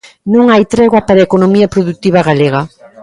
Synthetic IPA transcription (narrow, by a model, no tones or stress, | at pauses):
nõŋajt̪ɾɛɣwɐpaɾaekonomiɐpɾoðut̪iβɐɣaleɣa